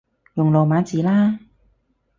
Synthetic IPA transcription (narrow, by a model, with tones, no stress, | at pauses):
jʊ˨˩ŋlɔː˨˩maː˨˧˥nt͡siː˨˩laː˥